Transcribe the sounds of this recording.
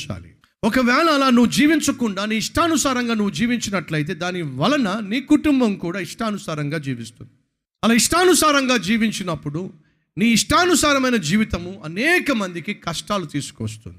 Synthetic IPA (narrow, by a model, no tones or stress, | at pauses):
t͡ʃa̰ːli | ɔkɐʋɛːlɐːlaːnuʋud͡ʒiːʋiɲt͡ʃɐkuɳɖaːniːiʂʈʰaːɐnusaːɾɐŋɡaːnuʋud͡ʒiːʋiɲt͡ʃinɐʈlɐjt̪̬e̞ːd̪aːniʋɐlɐnɐniːkuʈumbɐmkuːɽaːiʂʈɐːɐnusaːɾɐŋɡaːd͡ʒiːʋist̪und̪i | ɐlaːiʂʈaːnusaːɾɐŋɡaːd͡ʒiːʋiɲt͡ʃinɐpːuɽu | niːiʂʈaːnusaːɾɐmɐjnɐd͡ʒiːʋit̪ɐmuɐnɛːkɐmɐnd̪ikikɐʂʈaːlut̪iːsu̥ko̰st̪ṵnd̪i̥